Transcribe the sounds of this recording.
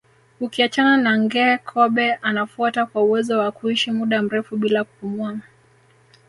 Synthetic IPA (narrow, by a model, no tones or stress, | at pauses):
ukiat͡ʃananaŋɡɛːkʰɔɓɛʔanafuatakwauwɛzɔwakuiʃimuɗam̩ɾɛfuɓilaku̥pumua